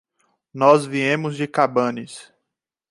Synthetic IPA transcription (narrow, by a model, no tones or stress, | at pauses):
nɔzviẽmʊzd͡ʒɪkabɐ̃nɪs